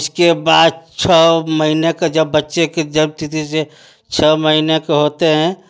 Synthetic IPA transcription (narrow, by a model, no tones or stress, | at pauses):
skebaːd̪̚t͡ʃʰəməɦineked͡ʒəbːətːʃeked͡ʒəbt̪it̪ise | t͡ʃʰəməɦinekeɦoːt̪eɦɛ̃